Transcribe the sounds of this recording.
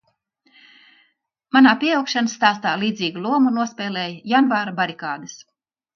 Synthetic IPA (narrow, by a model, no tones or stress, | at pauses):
manaːpʲiɛjawkʃanasːt̪aːst̪aːlˠiːd̪zʲiːɡulˠuɔmunuɔspʲɛːlʲɛːjjanvaːɾabaɾikaːd̪ɨs